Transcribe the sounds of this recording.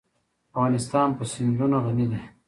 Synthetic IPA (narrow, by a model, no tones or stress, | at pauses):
afɣɑːnɪst̪ɑːnpəsɪnɾunaɣanid̪e